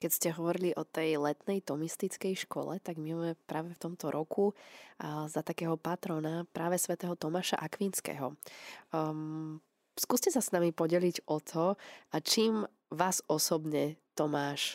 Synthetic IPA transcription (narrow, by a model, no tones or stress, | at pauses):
kɛcscɛɦɔʋɔɾiliʔɔt̪ɛjlɛt̪nɛjt̪ɔmist̪it͡skɛjʃkɔ̰lɛ̰t̪aɡmimɛpɾaːʋɛft̪ɔmt̪ɔɾʔɔkʰu | zat̪akɛːɦɔpat̪ɾɔnapɾaːʋɛsʋɛt̪ɛːɦɔt̪ɔmaːʃa̰ʔakʋinskɛ̰ːɦɔ̰ | skuːscɛsasnamipɔɟɛliɟɔt̪ʰɔat͡ʃiːm | ʋaːzɔsɔbɲɛt̪ɔmaːʃ